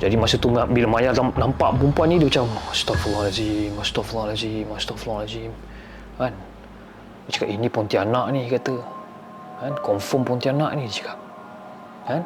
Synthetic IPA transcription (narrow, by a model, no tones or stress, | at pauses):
d͡ʒadimasət̪umabiləmajaranampaʔpumpuanidibat͡ʃamst̪ɔflɔlazimast̪ɔflɔlazimast̪ɔflɔlazim | kan | dit͡ʃə̥kaʔinipɔnt̪ianaʔnikat̪ə | kankɔɱfɔmpɔnt̪ianaʔnidit͡ʃi̥kaʔ̚ | kan